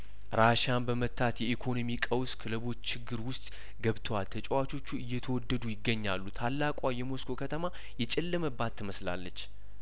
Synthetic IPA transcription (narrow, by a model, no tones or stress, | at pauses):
ɾaʃanbəmət̪ʰːat̪jɛʔikʰo̞nomikʼəwskʰɨləβo̞t͡ʃːt͡ʃʰːɪɡːɨɾwʊst̪ʼ | ɡəβt̪ʰəwalt̪ʰət͡ʃʼɛwat͡ʃʰo̞t͡ʃːuɨjːɛt̪ʰəwɔd̪ːəd̪ujɪɡːəɲːa̰lːut̪ʰalːakʼajɛmo̞skʰo̞kʰət̪ʰəma | jɛt͡ʃʼɪlːɨməbat̪ʰːɨməsla̰lːət͡ʃː